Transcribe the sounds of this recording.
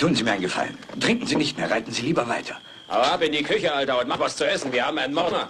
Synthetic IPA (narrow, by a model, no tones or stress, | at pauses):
tʰuːənziːmiɐaɪnɡəfa̰ləntʁ̥ɪŋkŋ̩ziːnɪçtmeːɐʁaɪtn̩ziːliːbɐvaɪtʰɐ | ʔa̰ɐapɪndiːkʰʏçəʔaltɐʊntmatv̥ast͡suɛsn̩viːɐhaːbm̩aɪnənmɔʁnɐ